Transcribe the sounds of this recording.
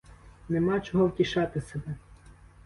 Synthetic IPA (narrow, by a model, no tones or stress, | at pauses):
nemɑt͡ʃɔɦɔwtʲiʃɑt̪ɪsebɛ